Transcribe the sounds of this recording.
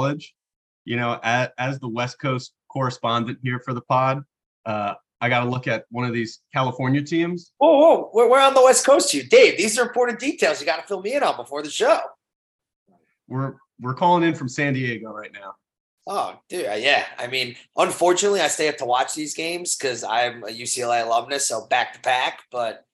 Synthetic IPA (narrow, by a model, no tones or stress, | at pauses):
lˠɪ̥d͡ʒ̥ | jɨñoʊʔɨɨzðəwɛs̚kʰoʊstkʰɔɹɨspɑ̃ndɨ̃nʔhiɹfə˞ðəpʰɑd̚ | ʔʌ | aɪɡɑɾəlʊkɨt̚wʌ̃ñʌvðiz̥kʰælˠəfɔɹnjɨtʰĩmz̥wɛlˠwɛlˠwɪwɪ˞ə̃nðəwɛskʰoʊstʰjʉdeɪvðizə˞ɨ̃mpʰɔɹʔn̩d̥itʰeɪlˠzjɨɡɑɾəfɪlˠmiɨ̃ɾn̩bəfɔɹðɨʃoʊ | wɪɹ | wɪɹkʰɔlˠɪ̃ŋɨ̃nfɹʌ̃msæ̃ndieɪɡoʊɹaɪtⁿnaʊ | ʔoʊd̥ʉa̰jæa̰ɪmĩnʔʌ̃ɱfɔɹt͡ʃɨnətˡliaɪsteɪʌf̚tʰəwɑt͡ʃðizɡẽɪ̃mz̥kʰʌzã̰ɪ̃mɨjʉsiɛlˠeɪlʌvnɨtsoʊbæk̚tʰə̥pʰæk̚b̥ʌt̚